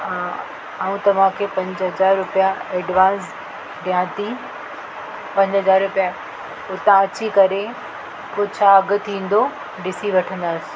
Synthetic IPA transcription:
a | aːũt̪ɐʋ̤ãkʰeːpɐ̃ɲd͡ʑɦɐzaːɾːʊpijaɛːɖʋãːns | ɖjãːt̪i | pɐ̃ɲd͡ʑɦɐzaːɾɾʊpija | ʊt̪ãɐt͡ɕikɐɾe | poːt͡ɕʰaːɐɡʊt̪ʰĩːn̆d̪o | ɖɪsiʋɐʈʰə̃nd̪aːsɪ̥̆

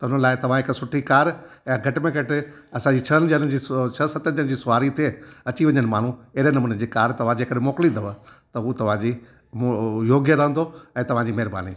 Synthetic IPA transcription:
t̪ɐʊnəlaːɪt̪ɐʋ̤ãɦɪksʊʈʰikaːɾ | ɛ̃ɡʱɐʈɪmẽɡʱɐʈɪ | ɐsãd͡ʑit͡ɕʰɐnd͡ʑənd͡ʑiːt͡ɕʰɐsɐt̪ən̆d͡ʑəñɪ̃d͡ʑiːsʊʋaːɾit̪ʰieːɐt͡ɕiʋɐ̃ɲənɪmaːn̤ũɪɦɪɾenɐmuːnəd͡ʑiːkaːɾt̪ɐʋ̤ãd͡ʑeːkɐɗmoːkɪlid̪ʱɐʋət̪ɐɦut̪ɐʋ̤ãd͡ʑiː | mjoːɡjəɾɐɦə̃nd̪oɛ̃ːt̪ɐʋ̤ãd͡ʑiːmɐɦɾba̰ːnḭː

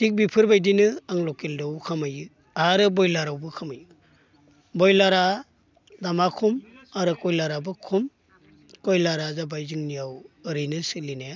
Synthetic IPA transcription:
tik̚bipʰɯɾbajdinɯaŋlɔkildɔwkʰamajɯ | aɾɯbɔjlaɾawbɯkʰamajɯ | bɔjlaɾa | damakʰumaɾɯkɔjlaɾabɯkʰum | kɔjlaɾazabajzɯŋnijawɯɾɯjnɯsɯlina

